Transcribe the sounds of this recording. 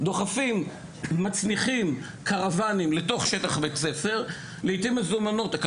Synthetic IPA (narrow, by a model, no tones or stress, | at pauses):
d̪o̞χafimː | at͡sniχim | kaʁavanimle̞to̞χʃetaχbet͡set͡se̞ʁ | leit̪imezumano̞t̪ak